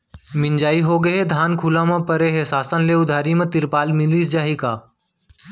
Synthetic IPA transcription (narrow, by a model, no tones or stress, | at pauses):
mɪ̃nd͡ʒaːiɦoːɡəɦed̪ʱaːnkʰuːlãːmãpəɾeːɦeːsaːsə̃nleːʊd̪ʱaːɾimẽt̪ɪɾpaːlmɪliːsd͡ʒaːɦiːkaː